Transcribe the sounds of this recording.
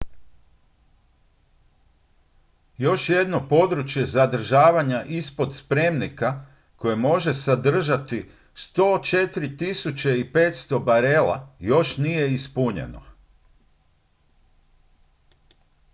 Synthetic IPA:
jo̞ʃje̞d̪no̞po̞d̪ɾut͡ʃje̞zad̪r̩ʒaːʋaɲaʔispo̞d̪spɾe̞mnika | ko̞jemo̞ʒe̞sad̪r̩ʒat̪i | st̪o̞ːt͡ʃe̞t̪ɾit̪isut͡ɕe̞ipeːt̪st̪o̞baɾe̞la̰jo̞ʃnijeispuɲḛno̞̰

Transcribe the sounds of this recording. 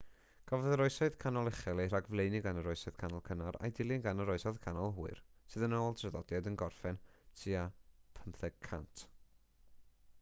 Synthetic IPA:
ɡ̥ʰavɔðəɾɔɨsɔðkʰanɔlˠɛχɛlˠejr̥aɡvlejniɡanəɾɔɨsɔɨð̥kʰanɔlˠkʰənaɾa̰jdɪlˠiɡanəɾɔɨsɔðkʰanɔlˠɦuːɨrsɨðənoːlˠdrɛðɔdjadənɡɔrfɛntʰiːapʰənθɛɡ̚kʰa̰ntʰ

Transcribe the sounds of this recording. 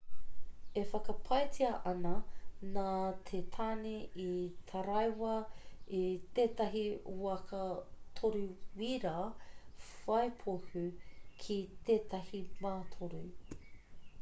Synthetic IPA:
efɐkɐpʰɐjtʰiɐʔɐnɐnat̪ʰet̪ʰaːneit̪ʰɐɾɐjwɐit̪eːtɐɦiuɐkʰɐt̪ʰoɾuwiɾa | fɐjpʰohʉkʰit̪eːt̪ɐhimaːt̪ʰoɾu

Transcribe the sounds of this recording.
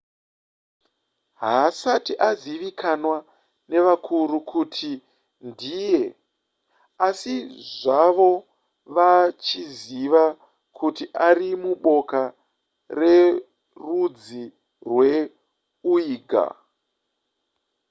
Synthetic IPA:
ɦasatiʔaziʋikʰanwa | ne̞ʋakʰuɾukʰutʰi | ndije | asiʐaʋo̞ | ʋat͡ʃiziʋa | kʰutiʔarimuɓo̞ka | re̞ | rud͡zi | rwe̞ | uiːɡʱa̰

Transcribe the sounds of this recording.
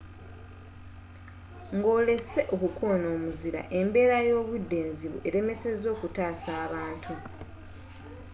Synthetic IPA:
ŋɡo̞ːle̞se̞ʔokukoːno̞ːmuziɾa̰ʔe̞mbe̞ːɾajo̞ːβudːe̞ːnziβṵʔe̞ɾe̞me̞se̞zo̞ːkutaːsaːβaːntʰu

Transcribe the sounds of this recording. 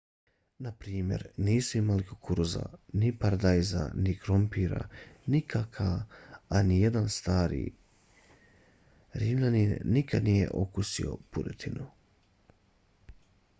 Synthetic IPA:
napɾiːmje̞̰ɾniːsuimalikokʰuɾza̰nipaɾad̪ajza̰nikɾompiɾa̰nikʰakʰaanijed̪anst̪aːɾḭː | ɾimlaninnikad̪nije̞̰ʔo̞kusio̞̰puɾet̪ʰinu

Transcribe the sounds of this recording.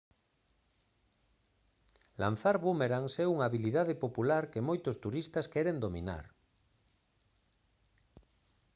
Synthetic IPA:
la̰n̟θaɾβumeɾaŋsɛuŋaβiliðaðepopulaɾkemojt̪ost̪uɾist̪askɛɾend̪omḭna̰ɾ

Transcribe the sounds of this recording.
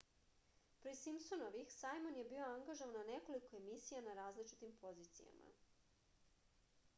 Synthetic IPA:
pɾesimsonoʋixsajmonje̞biːo̞aŋɡaʒoʋanane̞ko̞liko̞e̞misijanaɾaːzlit͡ʃi̥t̪impʰo̞ziːt̪sḭja̰ma̰

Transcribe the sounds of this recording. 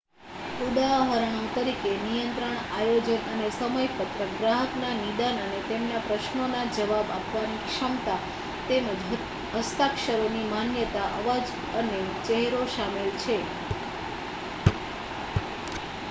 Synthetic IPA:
uɖaɦəɾɦəŋt̪əɾikenijənt̪ɾəɳajod͡ʒənənesəməjpət̪ɾəɡɾaɦəknanid̪anənet̪emnapɾəʃnonad͡ʒəʋabapʋanikʃəmt̪a | t̪end͡ʒ | ɦəst̪akʃəɾonimanjət̪aʔəʋad͡ʒ | ənet͡ʃeɦɾoʃamelt͡ʃʰe

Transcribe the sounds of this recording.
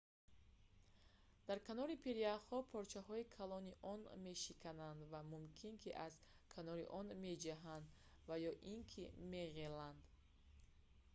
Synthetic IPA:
d̪̥aɾkʰanɔɾipʰeɾiaχhɔpʰɔɾt͡ʃʰaɦɔikʰalɔniʔɔnme̞ʃikʰanand̪vamumkʰinkʰiʔaz | kʰanɔɾḭʔɔnme̞d͡ʒaɦand̪ | vajɔʔiŋkʰḭme̞ʁeland̪

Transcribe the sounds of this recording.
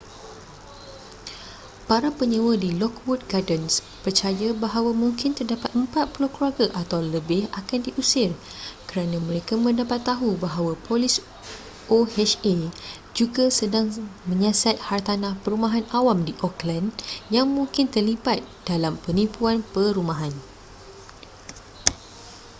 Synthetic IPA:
paɾapəɲəwədilɔk̚wut̪̚ɡadəns | pərt͡ʃajabaɦawamũŋkɪnt̪ərdapat̪̚əmpat̪̚pulohkluaɡaʔat̪awləbɪhakandiʔusɪr | kəɾanãmə̃ɾekamə̃ndapat̪ːaɦubaɦawapʰolɪs | ʔohɛt͡ʃe | d͡ʒuɡasədaŋmə̃ɲasat̪̚hart̪anãhpəɾumaɦanawamdiʔɔklanjaŋmũŋkɪnt̪ərlibat̪̚d̥alampənipuanpəɾumãɦan

